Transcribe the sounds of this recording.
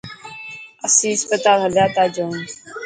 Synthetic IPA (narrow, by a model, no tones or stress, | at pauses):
əsĩːɪspət̪aːlɦəljaːt̪aːd͡ʒoːn